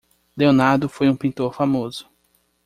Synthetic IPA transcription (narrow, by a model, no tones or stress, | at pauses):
d̪eonaɾd̪ʊfojũpĩnt̪oɾfamozʊ̥